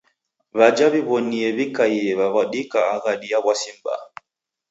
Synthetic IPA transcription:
βad͡ʒaβiβɔniɛβikaiɛβaβaɗikaːɣaɗiaβwasimba̰

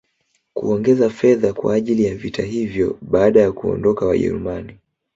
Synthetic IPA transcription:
kṵɔŋɡɛzafɛðakwa̰ːʄilijavitʰaɦivjɔɓaːɗajakuɔ̰ndɔkawa̰ʄɛ̰ɾṵmani

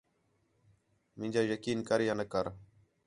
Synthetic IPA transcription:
mɪ̃ːɲʲd͡ʒaːjəkiːnkəɾjãːnəkəɾ

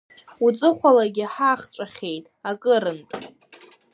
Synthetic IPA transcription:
ut͡sʼɨχʷalaɡʲɪħaχt͡ʃʷʼaχʲe̞jtʼakʼɨɾɨntʼ

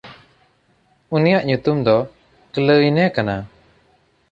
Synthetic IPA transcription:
unijaʔɲut̪umd̪ɔ | kələjnɛkana

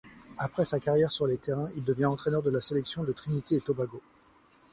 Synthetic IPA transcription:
apχɛsakaʁjɛʁsyʁlet̪eʁɛ̃ild̪əvjɛ̃ɑ̃t̪χɛnœʁd̪əlaselɛksjɔ̃d̪ət̪χinit̪eːt̪obaɡo

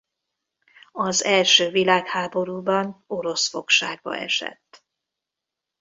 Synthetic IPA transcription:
ɒzɛlʃøːvilaːkhaːbo̞ɾuːbɒnoɾo̞sfo̞kʃaːɡ̚bɒ̰ʔɛ̰ʃɛ̰t̪ː

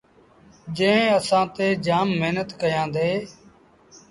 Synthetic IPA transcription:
d͡ʒẽːəsãːt̪eːd͡ʒaːmːɪɦnət̪kəjãːd̪eː

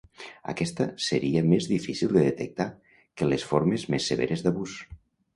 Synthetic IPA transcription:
a̰kɛst̪əsəɾiəmezðifisilˠd̪əðet̪ek̚t̪a | kəlesfoɾmezmesːeβḛɾezd̪aβus

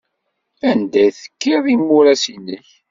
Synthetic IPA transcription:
ænd̪æθə̥kːiðˤimːʊɾæsiniç

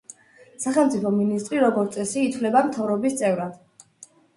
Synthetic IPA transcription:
saχɛlˠmt̪sʼipʰɔminist̪ʼɾiɾɔɡɔɾt̪sʼɛsiːt̪ʰvlɛbamt̪ʰavɾɔbist̪sʼɛvɾad̪̥

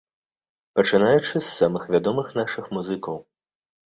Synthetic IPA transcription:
pɐt͡ʂɨnajut͡ʂɨsːamɨxvʲad̪ɔmɨxnaʂɨxmuzɨkɐw

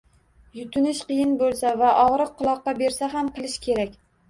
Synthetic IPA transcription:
jʊt̪ʰʊnɪʃqɨjɪnbolˠsavaʔɒʁɾɨq̚ʰːʊlˠɒqːɑbe̞ɾsaɦamqʰɨlˠɪʃkʲʰe̞ɾakʲ

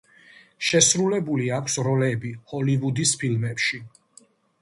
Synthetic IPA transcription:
ʃɛsɾulɛbuliakʷʰsɾɔlɛbihɔlivud̪ispʰilmɛpʃi

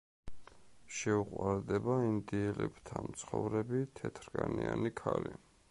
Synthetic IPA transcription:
ʃɛuqʼwaɾd̪ɛbaind̪iɛlɛbt̪ʰamt̪sʰχɔvɾɛbit̪ʰɛt̪ʰɾɡʼanianikʰali

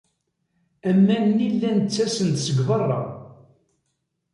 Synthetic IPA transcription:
æmːænnilːænət͡sːæsənt̪səɡvɑrˤːɑ̰

